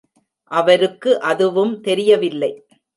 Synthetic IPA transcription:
ʔɐʋɐɾɯkːɯʔɐðɯʋɯmt̪ɛɾɪjɐʋɪlːɐɪ

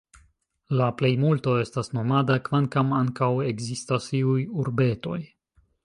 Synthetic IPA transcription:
laple̞jmulto̞e̞stasno̞madakvaŋkamaŋkawe̞ɡzistasiujuɾbe̞to̞j

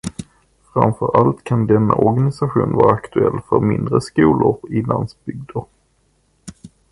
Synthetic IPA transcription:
fɾamfœɾʔalt̪kʰand̪ɛnːa̰ʔɔɾɡanɪsaɧuːnvɑːɾaakt̪ɵɛlːfœɾmɪnd̪ɾəskuːlʊɾɪland̪sbʏɡ̚d̪əɾ

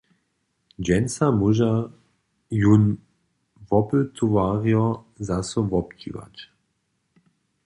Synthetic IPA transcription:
d͡ʒɛnsamuʒa | jun | vɔpət̪ʰuvaːʁiɔ | zasɔvɔp̚t͡ʃḭva̰t

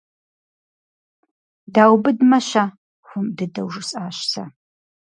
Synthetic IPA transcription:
daːwbɨdmɐɕa | xʷʊmdɨdɐwʒɨsʼaːɕsʰɐ̰

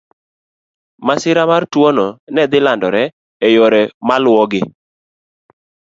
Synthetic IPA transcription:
masɪɾamartwononɛd̪ɪlandɔɾɛː | joɾɛmalʊwɔɡɪ

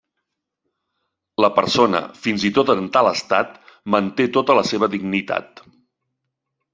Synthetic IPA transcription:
ləpəɾsonə̰finzit̪ot̪ənt̪aləst̪at̪mənt̪et̪ot̪ələseβəðiɡnit̪a̰t̪̚

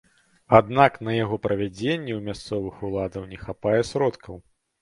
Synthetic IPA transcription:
ad̪naknɐjaɣɔpɾɐvʲad͡zʲenʲːɛwmʲast̪sɔvɨxulˠad̪ɐwnʲɛxapajɛsɾɔt̪kʰɐw

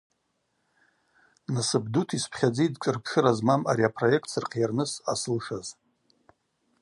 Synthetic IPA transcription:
nasɨbdutʰispʰχʲad͡ziidt͡ʃʼɨrpʰʂɨɾazmama̰ɾiapʰro̞je̞ktʰsɨrqʰjarnɨsa̰sɨlʂaz

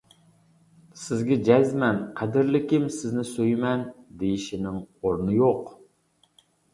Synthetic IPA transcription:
sɪzɡʲɛd͡ʒɛzmɛnqʰæd̪ɪɾlɪkʲɪmsɪznɪsøjmɛnd̪ejiʃɪnɪŋoɾnɨjoq

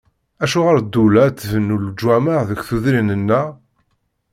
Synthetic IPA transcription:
æʃuʁəɾd̪ːulæt̪ːvənːuld͡ʒwæməʁðəkθuðɾinənːæ

